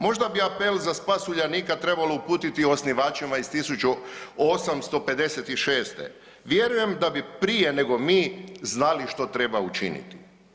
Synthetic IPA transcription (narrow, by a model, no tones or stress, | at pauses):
mo̞ʒd̪abiapelzaspasuʎaniːkat̪ɾe̞balo̞upuːt̪it̪iosniʋaːt͡ʃimaist̪isut͡ʃuosamst̪o̞pe̞d̪e̞set̪iʃeːst̪ḛ | ʋje̞ɾuje̞md̪abipɾije̞ne̞ɡo̞miːznaliʃt̪o̞t̪ɾe̞baut͡ʃḭnḭt̪i̥